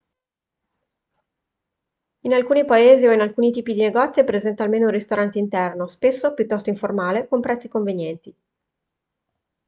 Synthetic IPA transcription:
inalkuːnipaeːzioinalkuːnit̪iːpid̪ineɡɔt̪sːjepɾezɛnt̪aːlmeːnounrist̪oɾant̪eint̪ɛrnospesːopjut̪ːɔst̪oiɱformaːlekompɾɛt̪sːikoɱvenjɛnt̪i

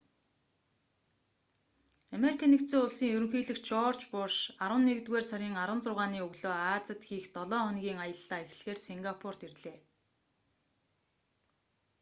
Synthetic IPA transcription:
ameɾikʰanːekt̪t͡siːŋʊɮsiːŋjɵɾɵ̆ŋxiːɮɘ̆xt͡ɕɔrt͡ɕpʊrʃaɾwə̆nːeɣt̪weːrsaɾʲiːŋaɾwə̆nt͡sʊːʁaːniːɵɣɮoːaːt͡sə̆t̪xiːxt̪ɔɮɔːχɔnɣʲiːŋajə̆ɮːaːex̆ɮxeːrsiŋɡapʰʊr̥t̪irɮeː

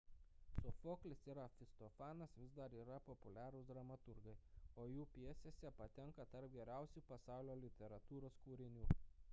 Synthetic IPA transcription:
sʊfoːklʲɪsiːɾɐfʲɪst̪ɔfɑːnɐsʋʲɪzd̪ɐɾiːɾɐpɔpʊlʲæːɾʊsd̪ɾɐmɐt̪ʊɾɡɐɪoːjuːpʲiɛsʲeːsʲɛpɐt̪ʲɛŋkɐt̪ɐɾp̚ɡʲɛɾʲæˑʊsʲuːpɐsɑˑʊlʲoːlʲɪt̪ʲɛɾɐt̪uːɾoːskuːɾʲɪnʲuː

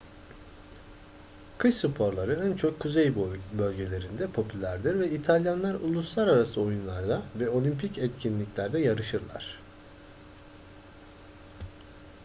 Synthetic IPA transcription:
kʰɯʃsupʰo̞ɾlˠaɾɯænt͡ʃʰo̞kʰːuzejbølʲɟe̞lʲe̞ɾind̪ɛpʰo̞pʰylʲæɾd̪iɾvɛit̪ʰalʲjanlˠaɾulˠuslˠaɾaɾasɯo̞junlˠaɾd̪avɛo̞lʲimpʰicɛt̪cʰinlʲiclʲæɾd̪ɛjaɾɯʃɯɾlˠa̰ɾ̝̥

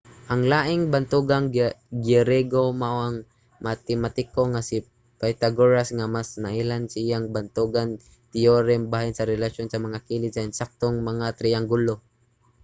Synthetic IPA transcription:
ʔɐŋlaːʔɪŋbant̪uɡaŋɡɛɾɛɡomaʔoʔaŋ | mat̪ɪmat̪ɪkoŋasi | pajt̪aɡoɹasŋamasnaʔɪlansiʔijaŋbant̪uɡan | t̪ɪoɾɛmbaːhɪnsɐɾɛlaʃjonsɐmɐŋakiːlɪt̪saɪnsak̚t̪oŋmɐŋat̪ɾɪaŋɡulo

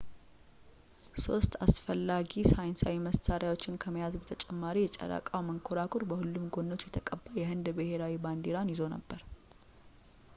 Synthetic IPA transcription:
so̞st̪a̰sfəlːaɡisajnsawiməst̪aɾjawo̞t͡ʃːɪnkʰəməjazbət̪ʰət͡ʃʼɛmːaɾijɛt͡ʃʼɛ̰ɾa̰kʼawməŋkʰoɾakʰʼoɾbəhulːumɡo̞nːo̞t͡ʃːjɛt̪ʰəkʼəbːajɛhɨnd̪bɨheɾawiband̪eɾanjɪzo̞nə̰bːəɾ

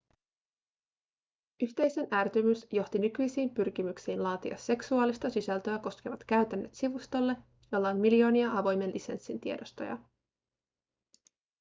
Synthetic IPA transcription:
yçt̪e̞jse̞nʔæːrt̪ymysjo̞ht̪inykyjsiːmpyrk̟imyksiːnlɑːt̪iɑ̰se̞ksuɑːlist̪ɑsisælt̪ø̞æko̞sk̟e̞ʋɑt̪kæɥt̪ænːøt̪siʋust̪o̞lːe̞ | jo̞lːɑonmiljo̞ːniɑɑʋo̞jme̞nlise̞nsːint̪iedo̞st̪o̰jɑ̰

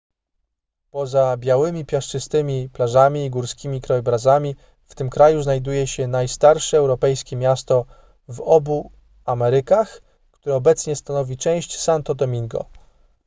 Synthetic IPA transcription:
pɔzabʲjawɘmʲipʲjaʂt͡ʂɘst̪ɘmʲiplaʐamʲiːɡuɾskʲimʲikɾɔjɛbɾazamʲi | ft̪ɘmkɾajuznajd̪ujɛɕɛnajst̪aɾʂɛːwɾɔpɛjskʲɛmʲjast̪ɔ | vɔbu | amɛɾɘkax | kt̪uɾɛɔbɛt̪sɲɛst̪anɔvʲit͡ʂɛ̃w̃ɕt͡ɕsant̪ɔd̪ɔmʲiŋɡɔ̰

